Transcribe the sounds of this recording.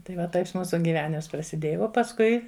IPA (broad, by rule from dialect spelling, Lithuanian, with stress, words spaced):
tɐɪ ˈʋɐ ˈtɐɪs ˈmuːsʊ ɡʲiːˈʋʲæːnʲɪms prɐsʲɪˈdʲeːjɛ oː pɐsˈkʊɪ